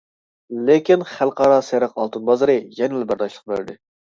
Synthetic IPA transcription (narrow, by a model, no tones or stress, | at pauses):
lekʲinχælˠqɑɾɑsæɾɪqɑlˠt̪ɨnbɑzɨɾɨjɛnɪlɛbæɾd̪ɑʃlˠəq̚bøɾd̪ɪ